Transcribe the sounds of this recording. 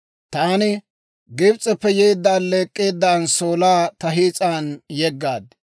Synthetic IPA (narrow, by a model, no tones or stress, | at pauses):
t̪aːnɪ | ɡɪbt͡sʼːɛpːɛjeːd̪ːaːnle̞ːkʼːeːd̪ːaːnsoːlaːt̪ɐɦiːt͡sʼaːnjɛɡːaːd̪